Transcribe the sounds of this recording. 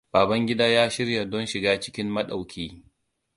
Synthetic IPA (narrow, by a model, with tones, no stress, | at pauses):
b̥aː˨bɐ˦ŋɡʲɪ˦daː˦jaː˦ʃɪ˦ɾja˨dɔ˦nʃɪ˨ɡaː˦t͡ʃɪ̥˦kʲɪ˦mːɐ˦ɗa˨wkʲʰiː˦